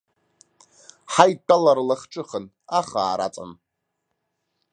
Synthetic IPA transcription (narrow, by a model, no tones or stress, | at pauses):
ħajtʼːalarlaχʈ͡ʂʰʼɨχən | aχaːɾa̰t͡sʼa̰n